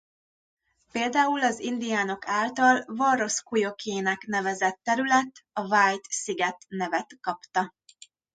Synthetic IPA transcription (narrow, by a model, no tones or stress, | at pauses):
peːld̪aːulɒzind̪ijaːno̞kaːlt̪ɒlvɒɾo̞skujo̞kʰeːnɛkn̪ɛvɛzɛt̪ːɛɾylɛt̪ːɒvaːjt̪siɡɛt̪nɛvɛt̪kɒpt̪ɒ